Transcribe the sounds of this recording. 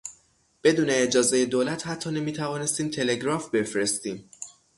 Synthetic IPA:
b̥e̞d̪uːne̞ːd͡ʒɒːzeje̞d̪oːlæt̪hæt̪ʰːɒːne̞miːt̪ʰævɒːne̞st̪iːmt̪ʰe̞le̞ɡɾɒːfbe̞fɾe̞st̪iːm

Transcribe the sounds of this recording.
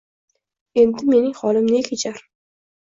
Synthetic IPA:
e̞nd̪ɪme̞nɪŋχɒlɪmnɪkʲʰet͡ʃʰaɾ

